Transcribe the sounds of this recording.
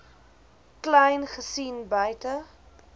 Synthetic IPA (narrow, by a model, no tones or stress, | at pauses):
klɛjnχəsinbœjtə